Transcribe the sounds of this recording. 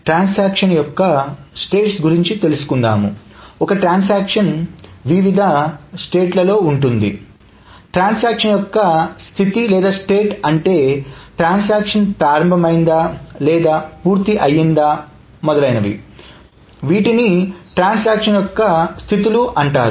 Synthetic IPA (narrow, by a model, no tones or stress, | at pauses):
ʈɾaːnsaːkʂɐnjɔkːɐsʈe̞ːʈsɡuɾiɲt͡ʃit̪e̞lusu̥kund̪a̰ːmṵɔkɐʈɾaːns̬aːkʂɐnʋiʋid̪ʱɐsʈe̞ːʈlɐlo̞ːuɳʈund̪ḭ | ʈɾaːnsaːkʂɐnjɔkːɐst̪ʰit̪ilɛːd̪aːsʈe̞ːʈɐɳʈe̞ːʈɾaːns̬aːkʂɐnpɾaːɾɐmbʱɐmɐjind̪alɛːd̪aːpuːɾt̪iʔɐjind̪aː | mɔd̪ɐlɐjnɐʋḭ | ʋiːʈiniʈɾaːns̬aːkʂɐnjɔkːɐst̪ʰit̪iluʔɐɳʈaːɾu